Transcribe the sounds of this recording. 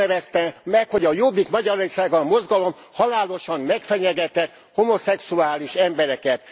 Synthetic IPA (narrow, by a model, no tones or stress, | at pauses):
ɛvɛst̪ɛmɛkho̞ɟɒjobːikmɒɟɒɾorsaːɡɒmo̞zɡɒlo̞m | hɒlaːlo̞ʃɒmːɛkfɛɲɛɡɛt̪ɛt̪ | homo̞sɛksuaːliʃɛmbɛɾɛkɛt̪